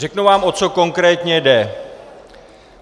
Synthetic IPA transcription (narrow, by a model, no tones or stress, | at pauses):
rɛknuvaːmʔo̞t͡so̞ko̞ŋkɾɛːt̪ɲɛdɛ